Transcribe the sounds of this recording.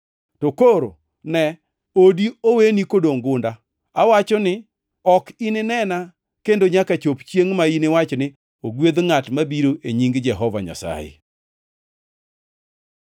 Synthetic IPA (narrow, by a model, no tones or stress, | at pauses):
tokoɾo̰ | nɛ | odiowenikodoŋɡʊnda | awat͡ʃɔnɪ | ɔkinɪnɛna | kendoɲakat͡ʃopt͡ʃjeŋmainɪwat͡ʃnɪ | oɡwed̪ŋatmabiɾoʔeɲiŋɡd͡ʒɛɦɔva̰ɲa̰sa̰jḛ